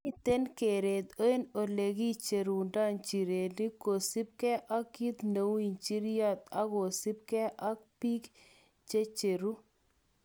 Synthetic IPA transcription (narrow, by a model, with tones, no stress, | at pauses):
i˦t̪e˦nke˨ɾe˨t̪o˦e˦no˨le˨ɡi˦t͡ʃe˨ɾu˨nda˦nt͡ʃi˨ɾe˨ni˦ko˨sɪ˦p̚kɛ˦ʔa˦kːi˦t̪ne˨wi˨nt͡ʃi˦ɾja˦t̪a˦ko˨sɪ˦p̚kɛ˦ʔa˦k̚pi˦k | t͡ʃe˦t͡ʃe˨ɾu˦